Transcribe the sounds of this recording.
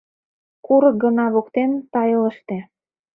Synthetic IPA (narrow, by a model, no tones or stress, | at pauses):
kuɾɤ̆k̚ɡɤ̆nɑβokt̪ent̪ɑjɤlə̆ʃt̪ĕ